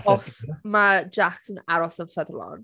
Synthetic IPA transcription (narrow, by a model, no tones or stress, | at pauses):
ɔsmad͡ʒaksə̃naɹɔsəvfɛðəlɔ̰̃n